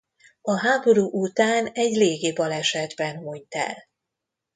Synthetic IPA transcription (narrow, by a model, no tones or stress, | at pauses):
ɒɦaːbo̞ɾuːʔut̪aːnɛɟleːɡiːbɒlɛʃɛd̪bɛnhujt̪ɛ̰l